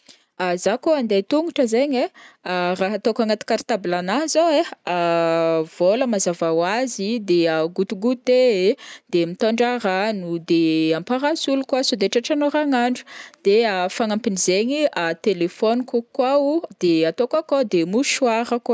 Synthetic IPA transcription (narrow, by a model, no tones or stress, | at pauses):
azakoand̪et̪uŋuʈ͡ʂəzeɲearaɦat̪okaŋat̪i̥kaɾit̪abilanazowea | voləmazavawazid̪eaɡut̪uɡut̪eed̪̥emit̪aɳɖ͡ʐaɾanud̪eampaɾasulukwasod̪eʈ͡ʂaʈ͡ʂanoɾaŋaɳɖ͡ʐu̥d̪̥eafaŋampinizeɲiat̪elefɔnikukwaud̪̥eat̪okakod̪emuʃuaɾək